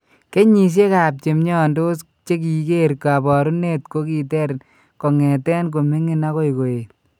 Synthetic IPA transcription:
ke˦ɲi˨ʃ̬je˦ka˨p̚t͡ʃe˨mɲɔ˦˨ndo˦s | t͡ʃe˦k̬i˨ke˦ɾka˨bɔ˨ɾu˦ne˦tko˦ki˨t̬ɛ˦ɾ | kɔ˨ŋɛ˨tɛ˦nk̬o˨mi˦ŋi˦na˦ko˦jko˨je˨

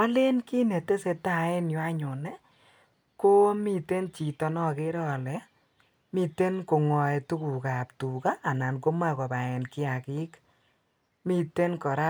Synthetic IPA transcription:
a˦lɪ˦nki˦ne˨te˦se˧ta˦˨ɛ˦njɔ˨˦a˦ɲʊ˨nɛ˦ | ko˦mi˦te˦nt͡ʃi˨tɔ˧nɔ˦kɪ˦ɾɔ˦˨lɛ˨˦ | mi˦te˦nko˨ŋɔ˨ɛ˨tu˦ku˨ka˨p̚tu˨ka˦ʔːna˨nko˦ma˦kɔ˨ba˨ɛ˨nkɪ˦a˨kɪ˦k | mi˦te˦nkɔ˨ɾa˦

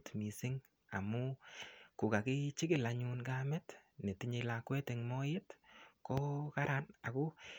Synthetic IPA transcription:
tmi˨sɪ˦ŋ | a̰˨mʊ˦kʊ˨ka˨kɪ˦t͡ʃɪ˦ɡɪ˨la˨ɲu˧nɡa˦mɛ˦tne˨ti˦ɲe˧la˨kwɛ˦tɪ˨ŋmɔ˦jɪ˦tkɔ˦ka˦ɾa˦na˨kʊ˦

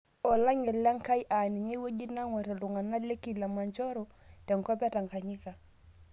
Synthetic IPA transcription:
ɔ˨la˦ŋɛ˨lːa˦ŋ˦ka˦jʔa˨ni˨ɲe˦wo˦ɟi˦na˦ŋwɛ˨ɾɛ˨lu˨ŋa˨na˦le˦ki˦˨la˨ma˨ɲt͡ʃɔ˦ɾɔ˦ | tɛ˨ŋ˨kɔ˦pɛ˦ta˨ŋka˨ɲi˦ka˨

